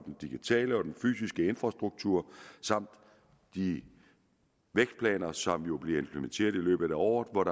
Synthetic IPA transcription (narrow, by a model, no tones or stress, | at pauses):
d̥end̥iɡ̥it͡sʰɛ̰ːləɒ̽d̥enfy̰ːsisɡ̥əe̝nfʁɑ̈sd̥ʁuɡ̥̚t͡sʰuɐ̰sɑ̈m̰d̥ː | i | ʋeɡ̥sd̥pʰlɛ̰ːnɐsɒ̽mjo̝b̥leɐe̝mpʰlement͡sʰe̝̰ːɐð̞ˠilø̰ːb̥ð̩ˠæɒ̰ːð̩ˠʋɒɾ̥ɑ